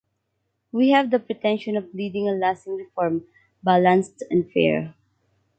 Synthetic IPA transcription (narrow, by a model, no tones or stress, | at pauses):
wihævd̪əpɹɪt̪ɛ̃nʃɔ̃nɔvlidɪ̃ŋəlastɪ̃ŋɹɪfɔɹm | balãnstɛ̃nfɛ̰ɹ